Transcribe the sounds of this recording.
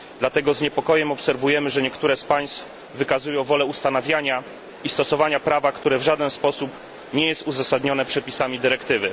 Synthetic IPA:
d̪lat̪ɛɡɔzɲɛpɔkɔjɛmɔpsɛɾvujɛmɘʐɛɲɛkt̪uɾɛspaj̃st̪f | vɘkazujɔ̃w̃vɔlɛust̪anavʲjaɲa | ist̪ɔsɔvaɲapɾavakt̪uɾɛvʐad̪ɛnspɔsup | ɲɛjɛst̪uzasad̪ɲɔnɛpʂɛpʲisamʲid̪ɘɾɛkt̪ɘvɘ

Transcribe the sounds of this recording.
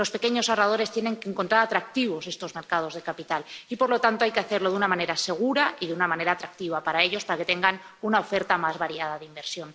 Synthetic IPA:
lo̞spe̞ke̞ɲo̞sarað̞o̞ɾe̞st̪jene̞ŋke̞ːŋko̞nt̪ɾaɾat̪ɾak̚t̪iβ̞o̞se̞st̪o̞zme̞ɾkað̞o̞zð̞e̞kapit̪alipo̞ɾlo̞t̪ant̪oajke̞aθe̞ɾlo̞ðunamãne̞ɾase̞ɣ̞uɾaiðeunamãne̞ɾaːt̪ɾak̚t̪iβ̞apaɾae̞ʎo̞spaɾake̞t̪e̞ŋɡan | unao̞fe̞ɾt̪amazβaɾiað̞aðeimbe̞ɾsjo̞n

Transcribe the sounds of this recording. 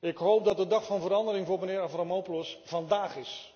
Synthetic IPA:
ɪkɦowp̚dɑt̚dədɑχfɑnvəɾɑndəɾɪŋvʊːɹmənɪːɾaframowplɔsv̥ɑndaːχɪs

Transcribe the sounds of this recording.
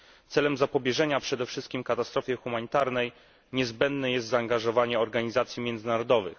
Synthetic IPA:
t̪sɛlɛmzapɔbʲjɛʐɛɲapʂɛd̪ɛfʂɘst̪̚kʲimkat̪ast̪ɾɔfʲjɛxumaɲit̪aɾnɛj | ɲɛzbɛnd̪nɛjɛst̪zaːŋɡaʐɔvaɲɛɔɾɡaɲizat̪sʲjimʲɛnd̪zɘnaɾɔd̪ɔvɘ̰x

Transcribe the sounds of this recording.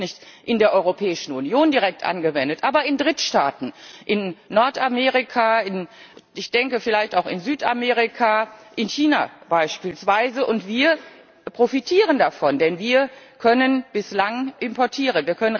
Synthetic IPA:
nɪçtʔɪndeːɐʔɔʏʁopʰɛːɪʃn̩unjoːndiʁɛk̚tʔa̰nɡəvɛndətʔaːbɐɪndʁɪtʃtaːtn̩ʔɪnːɔɐtamɛːʁikʰaɪnɪçd̥ɛŋkəfɪlaɪçtaʊxɪ̰nzyːtʔa̰mɛːʁ̞ɪkʰaʔɪnçiːna̰b̥aɪʃpiːlsv̥aɪzəʔʊntv̥iːɐ | pʁ̥ofitʰiːʁəndafɔndɛnviːɐkʰœnənb̥ɪslaŋʔɪmpɔɐtʰiːʁ̞ənviːɐkʰœnən

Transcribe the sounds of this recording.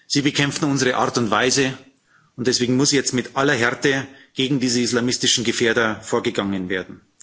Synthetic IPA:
z̥iːbəkʰɛmftn̩ʊnzəʁəʔa̰ɐtʊntv̥aɪzə | ʊntd̥ɛsv̥eːɡŋ̩mʊsiːjɛt͡stmɪtʔalɐɦɛɐtəɡ̥eːɡŋ̩diːzəislaːmɪstɪʃn̩ɡəfeːɐdɐfoːɐɡəɡaŋənveːɐdn̩

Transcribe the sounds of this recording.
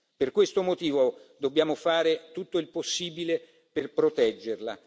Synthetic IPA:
perkwest̪omot̪iːvod̪obːjaːmofaːɾet̪ut̪ːoilposːiːbile | perpɾot̪ɛd͡ʒːerla̰

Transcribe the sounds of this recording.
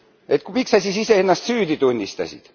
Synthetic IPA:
et̪kupiksɑsʲisiseenːɑst̪syːt̪it̪unʲːist̪ɑ̰sʲḭt̪

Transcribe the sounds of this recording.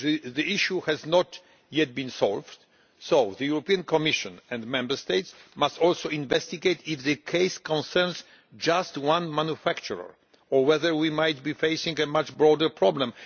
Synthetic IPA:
ðiiʃjuhɛznɔt̪ | jɛt̪̚bĩnsɔlvt̪ | sowðɨjuɾɔpiãnkɔmiʃɔ̃nɛ̃nd̪mɛ̃mbɛɹst̪ejt̪smast̪ɔlsoĩnvɛst̪iɡejt̪ifðɨkʰɛjskɔ̃nsɛɹns | d͡ʒast̪wãnmanjufakt͡ʃuɾa̰ɹ | ɔwɛðɛɹwimajt̪bifejsĩŋɡɛmat͡ʃbɾɔdəɹpɹɔblɛ̃m

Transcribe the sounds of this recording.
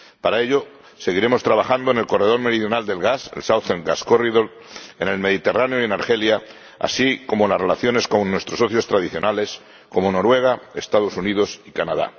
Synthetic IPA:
paɾae̞ʎo | se̞ɣ̞iɾe̞mo̞st̪ɾaβ̞axand̪oenelko̞re̞ð̞o̞ɾme̞ɾiðjo̞nald̪e̞lɣasḛlsawθeŋɡaskoriðol | ene̞lme̞ð̞it̪e̞raneoje̞naɾxe̞lja | a̰siko̞molasre̞laθjo̞ne̞sko̞nnːwe̞st̪ɾoso̞θjo̞st̪ɾaðiθjo̞nales | ko̞mo̞no̞ɾwe̞ɣae̞st̪að̞o̞suniðo̞sikanaða̰

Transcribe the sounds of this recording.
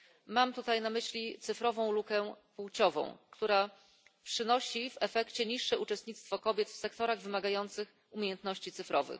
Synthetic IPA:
mamt̪ut̪ajnamɘɕlʲit̪sɘfɾɔvɔ̃w̃lukɛpuwt͡ɕɔvɔ̰̃w̃kt̪uɾa | pʂɘnɔɕivɛfɛkt͡ɕɛɲiʂːɛut͡ʂɛst̪ɲit̪st̪fɔkɔbʲjɛt̪fsɛkt̪ɔɾaɣvɘmaɡajɔnt̪sɘx | umʲejɛnt̪nɔɕt͡ɕit̪sɘfɾɔvɘ̰x

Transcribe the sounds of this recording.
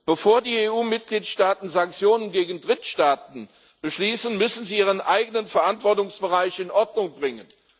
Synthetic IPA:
b̥əfoːɐdiːeːuːmɪt̚ɡ̥liːtʃtaːtn̩zaŋk̚t͡sjoːnənɡeːɡn̩dʁɪtʃtaːt̚n̩ | b̥əʃliːsn̩mʏsn̩ziːiːʁ̞ənʔaɪɡənənfɛɐʔantv̥ɔɐtʊŋsb̥əʁaɪçɪnʔɔɐdnʊŋbʁɪŋən

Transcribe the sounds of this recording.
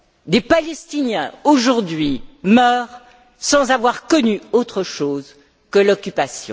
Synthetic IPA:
d̪epalɛst̪injɛ̃oʒuʁd̪ɥimœːʁ | sɑ̃zavwaʁkɔnyot̪χəʃoːz | kəlɔkʲypasjɔ̃

